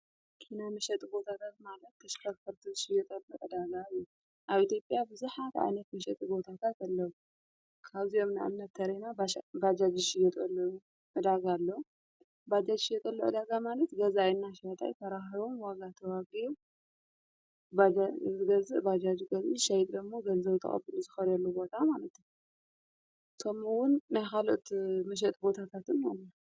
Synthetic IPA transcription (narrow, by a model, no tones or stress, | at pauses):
kʰinamɐʃɛt̪ʼɨbo̞t̪ʰat̪ʰat̪malɐt̪ʰːɐʃkʰɐfɐɾt̪ʰɨzɨʃɪjɛt̪ʼɐlːuʔɨd̪aɡajːu | ʔaβit̪jo̞pʼjabɨzuħat̪ʕa̰jnɐt̪mɐʃɛt̪ʼɨbo̞t̪ʰat̪ʰat̪alːɐwu | kʰaβziomnaʔa̰mnɐt̪ʰːɐɾenabad͡ʒad͡ʒiʃɪjɛt̪ʼɐl | ʔɨd̪aɡalːo | bad͡ʒad͡ʒʃijɛt̪ʼɐlːoʔɨd̪aɡamalɐt̪ɡɐzajnːaʃajt̪ʼa̰jt̪ʰɐɾaɦiβomwaɡat̪ʰɐwaɡiju | bad͡ʒaɨɡɐzɨʔbad͡ʒad͡ʒiɡɐzʔɨʃajt̪ʼd̪ɐmːoɡɐlzɐβt̪ʰɐ̰χʼɐ̰bɨluzɨxɐɾɐlːobo̞t̪ʰamalɐt̪ | k̪ʰɐmuwʊnːajkalot̪mɐʃ̬ɛt̪ʼbo̞t̪ʰat̪ʰat̪ɨnonːa